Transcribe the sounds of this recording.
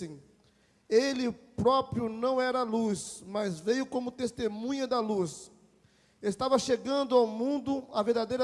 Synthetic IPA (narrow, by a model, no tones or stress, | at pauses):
ĩ | elɪpɾɔpɾjʊnɐ̃w̃ɛɾɐlusmɐzvejʊkõmʊt̪est̪emũɲɐd̪ɐlus | est̪avɐʃeɡɐ̃nd̪ʊawmũnd̪ʊɐveɾd̪ad̪ejɾɐ